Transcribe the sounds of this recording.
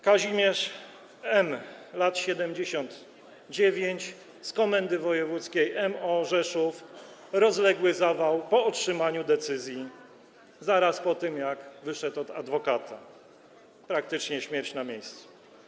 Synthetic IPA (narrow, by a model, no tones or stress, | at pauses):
kaʑimʲjɛʂ | ɛmlat̪ɕɛd̪ɛmd͡ʑeɕɔnd̪ | d͡ʑevʲjeɲt͡ɕ | skɔmɛnd̪ɘvɔjɛvut̪skʲejʔɛmɔʐɛʂuf | ɾɔzlɛɡwɘzavawpɔɔtʂɘmaɲud̪ɛt̪sɘzʲji | zaɾaspɔt̪ɘmjaɡvɘʂɛt̪ɔd̪a̰d̪vɔkat̪ʰa̰ | pɾak̚t̪ɘt͡ʂɲɛɕmʲjɛɾt͡ɕnamʲejst̪su̥